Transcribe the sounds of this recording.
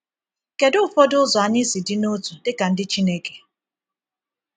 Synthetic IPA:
ke˨dʊ˦fɔ˦dʊ˦za˨˦ni˦zi˨di˦no˦tʰu˨dɪ˦ka˨n̩˦dɪ˦t͡ʃi˦ne˦ki̥˨

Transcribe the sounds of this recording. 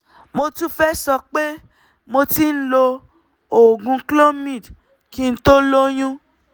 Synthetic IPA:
mo˧tũ˦fɛ˦sɔ˧k͡pe˦ | mo˧ti˦n̩˦lo˧ | o˨ɡũ˧klo˦mĩ˦˨d | ki˧n̩˦to˦lo˦j̃ũ˦

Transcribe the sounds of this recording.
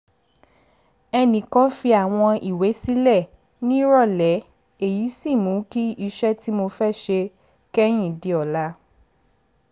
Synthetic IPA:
ɛ˧nĩ˨kɔ˦fi˧a˨w̃ɔ̃˧i˨we˨˦si˦lɛ˦˨ | nĩ˦ɾɔ˦˨lɛ˨˦ | e˦˨ji˨˦si˦˨mũ˨˦ki˦i˧ʃɛ˦ti˦mo˧fɛ˦ʃe˧ | kɛ˦j̃ĩ˦˨di˧˦ɔ˨la˨˦

